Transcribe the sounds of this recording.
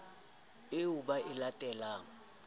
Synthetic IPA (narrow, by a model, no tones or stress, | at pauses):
ɪʊbaʔɪlatʼɛlaːŋ̩